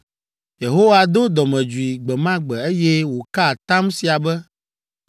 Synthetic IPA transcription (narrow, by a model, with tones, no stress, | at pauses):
je˨ɦo˦wa˨d̪o˦d̪ɔ˨mɛ̃˨d͡ʒu˨i˨ɡ͡bɛ˨mã˦ɡ͡bɛ˨e˦jɛ˦wo˨ka˦˨t̪a˦msi˨a˨bɛ˦